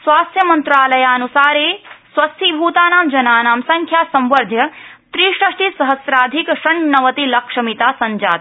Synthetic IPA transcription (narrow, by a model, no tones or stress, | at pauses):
sʋaːst̪jɐmɐnt̪ɾaːlɐjaːɐnusaːɾeːsʋɐst̪ʰibʱuːt̪aːnaːmd͡ʒɐnaːnaːmsɐŋkʰjaːsɐ̃mʋɐɾd̪ʱjɐt̪ɾiːʃɐʂʈisɐɦɐsɾaːd̪ʱikʃɐɳnɐʋɐt̪ilɐkʂɐmit̪aːsɐɲd͡ʒa̰ːt̪